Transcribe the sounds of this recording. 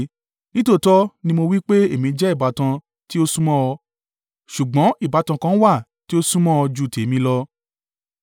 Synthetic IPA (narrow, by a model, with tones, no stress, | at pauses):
nĩ˦to˦˨tɔ˦nĩ˧mo˧wi˦k͡pe˦e˦˨mĩ˨˧d͡ʒɛ˦i˦˨ba˨tã˧ | ti˦o˦sũ˦mɔ̃˦ɔ˧ | ʃu˨ɡ͡bɔ̃˨˦i˦˨ba˨˦tã˧kã˧˦wa˦˨ | ti˦o˦sũ˦mɔ̃˦ɔ˧d͡ʒu˨˧˨tʰe˨˦mĩ˧lɔ˧